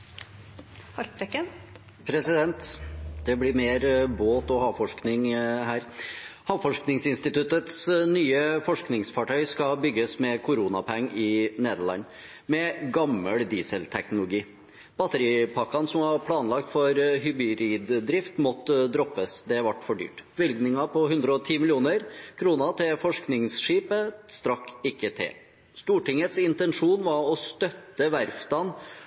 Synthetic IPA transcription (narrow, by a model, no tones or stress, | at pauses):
hɑlt̪ɾɛkːən | pʰɾɛsɪd̪ɛnt̪d̪̥ɛblɪɾmeːɾboːt̪ɔhɑːfɔʂknɪŋhæːɾhɑːfɔʂknɪŋsɪnst̪ɪt̪ʉt̪ət̪snyːəfɔʂknɪŋsfɑʈʰœʏskɑbʏɡːəsmɛkʰʊɾuːnɑpʰɛŋːɪneːd̪əɭɑ̰nː | mɛɡɑmːəld̪iːsəlt̪ʰɛknʊlʊɡiː | b̥ɑt̪əɾiːpʰɑkːɑnsɔmʋɑɾpʰlɑːnlɑk̚t̪fɔɾɦʏbɪɾiːd̪d̪ɾɪft̪mɔt̪ːd̪ɾɔpːəsd̪ɛʋɑʈːfɔɖy̰ːʈb̥ʋɪlɡnɪŋɑpʰɔɦʉnd̪ɾəɔt̪ʰiːmɪlɪuːnəɾkʰɾuːnɑt̪ʰɪlfɔʂknɪŋsʂiːpəst̪ɾɑkːɪkːət̪ʰɪ̰l | st̪uːʈɪŋət̪sɪnt̪ɛnʂuːnʋɑɾɔst̪œt̪ːəʋæɾfd̪ɑn